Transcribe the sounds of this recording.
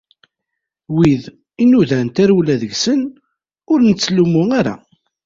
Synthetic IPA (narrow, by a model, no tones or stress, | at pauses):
wið | inuðænt̪æɾwlæðəʝsən | ʊɾnət͡sːlumʊaɾa̰